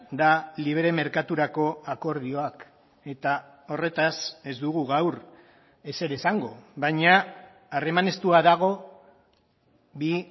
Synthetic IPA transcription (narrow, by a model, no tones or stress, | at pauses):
d̪aliβ̞ɾe̞me̞ɾkat̪uɾako̞ako̞ɾð̞io̞ak | e̞t̪a | o̞re̞t̪ase̞zd̪uɣuɣawɾ | e̞se̞ɾesaŋɡo̞βaɲaː | re̞mane̞st̪uaðaɣ̞o̞ | bi